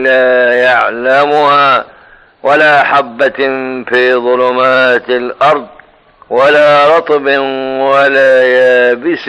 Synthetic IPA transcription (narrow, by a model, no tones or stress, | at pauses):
laːjaʕlamʊhaː | walaːʔħabːafiːðˤʊlʊmaːt̪alʔɑɾˤd̪ˤ | walaːɾˤɑt̪ˤbɪwalaːjaːbɪs